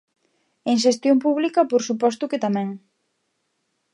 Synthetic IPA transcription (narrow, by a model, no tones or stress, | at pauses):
eŋʃ̬est̪jompuβlikɐpoɾsupɔst̪ʊket̪amɛ̃ŋ